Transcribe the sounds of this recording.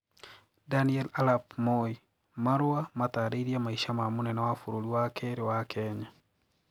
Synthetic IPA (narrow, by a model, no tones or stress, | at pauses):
daniɛlalap̚moi | maɾʊamat̪aɾeɾiamaiʃamamunɛnawafuɾoliwakʰeɾɪwakʰɛɲa